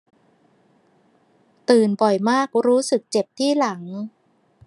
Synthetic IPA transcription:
t̪ɯː˨˩nbɔ˨˩jmaː˥˩k̚ɾuː˦˥sɯ˨˩k̚t͡ɕe˨˩p̚t̪ʰiː˥˩la˩˦ŋ

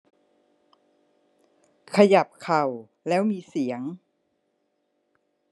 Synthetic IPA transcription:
kʰa˧ja˨˩p̚kʰa˨˩w | lɛː˦˥wmiː˧si˩˦əŋ

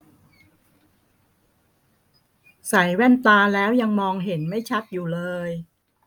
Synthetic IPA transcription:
sa˩˦jwɛ˥˩nt̪aː˧lɛː˦˥wja˧ŋmɔː˧ŋɦe˩˦nma˥˩jt͡ɕʰa˦˥t̪̚juː˨˩lɤː˧j

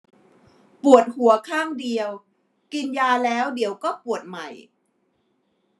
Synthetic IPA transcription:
pu˨˩ət̪̚hu˩˦ɐkʰaː˥˩ŋdi˧əw | ki˧njaː˧lɛː˦˥wdi˨˩˦əwkɔː˥˩pu˨˩ət̪̚ma˨˩j

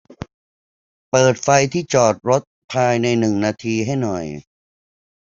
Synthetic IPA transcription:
pɤː˨˩t̪̚fa˧jt̪ʰiː˥˩t͡ɕɔː˨˩t̪̚ɾo˦˥t̪̚pʰaː˧jna˧jnɯ˨˩ŋnaː˧t̪ʰiː˧ɦa˥˩jnɔ˨˩j

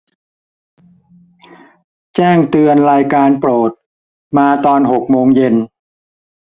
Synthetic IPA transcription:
t͡ɕɛː˥˩ŋt̪ɯ˧ənɾaː˧jkaː˧npɾoː˨˩t̪̚ | maː˧t̪ɔː˧nɦo˨˩k̚moː˧ŋje˧n

